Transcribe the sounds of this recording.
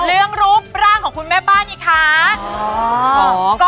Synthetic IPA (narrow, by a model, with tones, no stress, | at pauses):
lɯ˥˩əŋɾu˦˥p̚ɾaː˥˩ŋkʰɔː˩˦ŋkʰu˧nmɛː˥˩baː˥˩nʔiː˧˩kʰa˦˥˩ | kɔː˥